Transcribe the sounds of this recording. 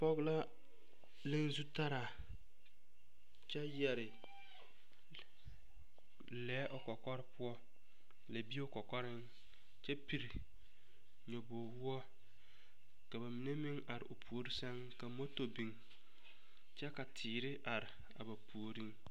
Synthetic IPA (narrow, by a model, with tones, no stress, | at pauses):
pɔ˦ɣla˦ | lɪ˦nzu˦ta˦ɾa˨ | t͡ʃɛ˦jɛ˨ɾɪ˨ | lɛː˦ʔʊ˨kɔ˨kɔ˦ɾɪ˦pʊ˦ɔ˦ | la˨bi˦o˦kɔ˨kɔ˦ɾɪ˦ŋ | t͡ʃɛ˦pi˨ɾ | ɲɔ˨bo˨wu˦ɔ˦ | ka˨ba˨mi˨ne˦mɪ˦ŋa˨ɾɪ̰˨ʔo˨pʰu˨o˨ɾi˦sɛ˦ŋ | ka˨mo˦to˨bi˨ŋ | t͡ʃɛ˦ka˨tʰiː˨ɾɪ˦ʔa˨ɾɪ˨ | a̰˨ba˨pu˨o˨ɾi˦ŋ